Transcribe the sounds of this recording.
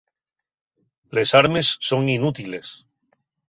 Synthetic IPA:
le̞saɾme̞sːo̞ŋinut̪ile̞s

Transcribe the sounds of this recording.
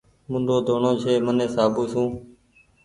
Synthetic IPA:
mʊ̃nd̪oːd̪ʱoːɳoːt͡ʃʰeːmənẽːsaːbuːsũː

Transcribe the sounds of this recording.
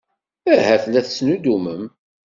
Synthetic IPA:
æhæθlæθsnud̪uməm

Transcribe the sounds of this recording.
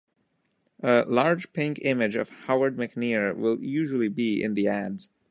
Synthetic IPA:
ʔəlɑɹd͡ʒ̥pʰɪ̃ŋkɪ̃mɪd͡ʒʌ̰v̥haʊə˞d̚mɨkniɹwɪlˠjʉʒəl̩ˠibiɪ̰̃nðiædz̥

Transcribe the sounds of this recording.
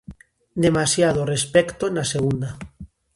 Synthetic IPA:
d̪emasjað̞orespekt̪onaseɣ̞und̪a

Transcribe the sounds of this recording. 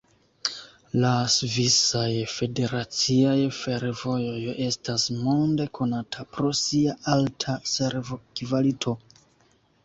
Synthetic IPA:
lasvisajfe̞de̞ɾat͡siajfe̞ɾvo̞joje̞stasmo̞nde̞kʰo̞natʰapɾo̞siaʔaltʰaseɾvokivalitʰo̞

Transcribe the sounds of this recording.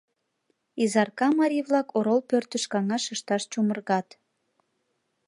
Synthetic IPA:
izɑrkɑmɑɾʲiβlɑkoɾolpørt̪əʃkɑŋɑʃəʃt̪ɑʃt͡ɕumərɣɑt̪

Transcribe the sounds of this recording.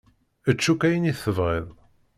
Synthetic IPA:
ət͡ʃːukæjəniθːəvʁɪðˤ

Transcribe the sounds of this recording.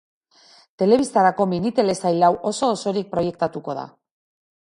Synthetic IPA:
t̪e̞le̞βist̪aɾako̞minit̪e̞le̞sajlawʔo̞so̞ːso̞ɾik̚pɾo̞je̞kt̪at̪uko̞ð̞a̰

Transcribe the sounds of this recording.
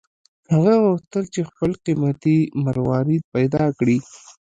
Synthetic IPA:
haɣawʊht̪əlt͡ʃexpəlqimat̪imaɾwɑɾid̪̚pajd̪ɑkɽi

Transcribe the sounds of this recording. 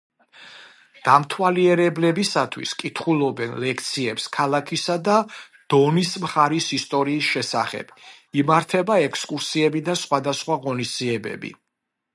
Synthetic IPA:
d̪̥amt̪ʰwaliɛɾɛblɛbisat̪ʰwḭskʼit̪ʰχulˠɔbɛnlɛkʰt̪sʰiɛpskʰalˠakʰisad̪a | d̪̥ɔnismχaɾisist̪ʼɔɾiːsʃɛsa̰χɛ̰b̥ | imaɾt̪ʰɛbaɛkʰskʼuɾsiɛbid̪asχwad̪asχwaʁɔnisd̪ziɛbɛ̰bḭ

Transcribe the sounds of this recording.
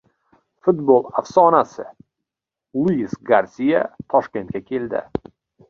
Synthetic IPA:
fʊt̪bolˠafsɒnasɪ | lˠujisɡaɾsija̰t̪ʰɒʃkʲe̞nt̪̚kʲakʲʰe̞ld̪ɪ̰

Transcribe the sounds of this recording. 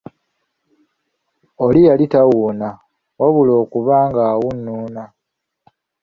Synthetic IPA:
olijalitawuːna | waβulo̞ːkuβaːŋɡaːwunːuːna

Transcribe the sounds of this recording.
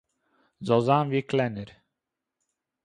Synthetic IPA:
zozanviklæniɾ

